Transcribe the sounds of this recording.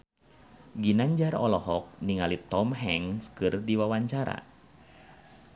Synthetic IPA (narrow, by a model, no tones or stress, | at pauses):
ɡinaɲd͡ʒaɾɔlɔɦɔk̚niŋalit̪ɔmɦɛŋskɨrdiwawaɲt͡ʃaɾa̰